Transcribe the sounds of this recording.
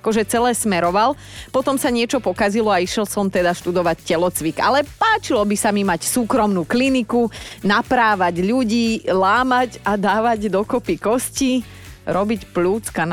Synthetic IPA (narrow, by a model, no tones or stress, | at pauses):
akɔʒɛt͡sɛlɛːsmɛɾɔʋal | pɔt̪ɔmsaɲɪɛt͡ʃɔpɔkazilɔaiʃɛlsɔmt̪ɛd̪aʃt̪ud̪ɔʋaccɛlɔt͡sʋika̰lɛpaːt͡ʃilɔbisamimacsuːkɾɔmnuːklinikunapɾaːʋaɟʎuɟiːlaːmaɟad̪aːʋaɟd̪ɔkɔpikɔsci | ɾɔbicpluːt͡skan